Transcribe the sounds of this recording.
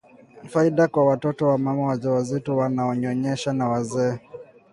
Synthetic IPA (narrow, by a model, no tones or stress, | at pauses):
faiɗakwawatɔtɔwamamawad͡ʒɛwazitɔwanaɔɲɔɲɛʃanawazɛː